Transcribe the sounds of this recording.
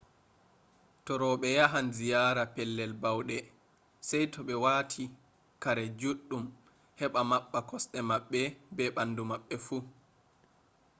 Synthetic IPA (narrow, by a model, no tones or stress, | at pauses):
tɔɾɔɓɛjaɦanzijaːɾapɛlːɛlbawɗɛ | sajtʰɔɓɛwatʰi | kaɾɛd͡ʒuɗːum | hɛɓamaɓːakɔsɗɛmaɓːɛbɛɓandumaɓːɛfu